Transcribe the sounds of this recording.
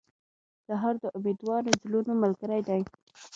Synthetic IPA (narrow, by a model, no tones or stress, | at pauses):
d̪̥aɦɑɾd̪əʔʊmed̪wɑɾozlunoməlɡəɾajd̪aj